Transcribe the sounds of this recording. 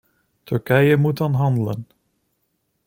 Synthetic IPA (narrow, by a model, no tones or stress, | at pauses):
tʰɵɹkɛjəmutɑnɦɑndlə̰n